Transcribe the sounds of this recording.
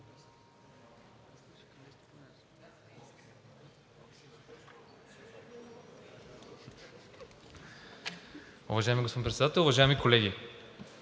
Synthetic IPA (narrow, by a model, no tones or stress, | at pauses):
ʊ̰vɐʒaɛmiɡospod̪̃pɾɛt̪sd̪at̪ɛlˠʊvɐʒaɛmikolɛɡʲi